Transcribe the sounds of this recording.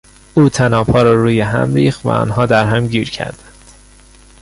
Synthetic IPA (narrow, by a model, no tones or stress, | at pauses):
ʔuːt̪ʰænɒːpʰɒːɾɒːɾuːjeɦæ̰mɾiːxt̪væ̰ɒ̰ːnɦɒːd̪æɾɦæmɟiːɾcʰæ̰ɾd̪ænd̪̥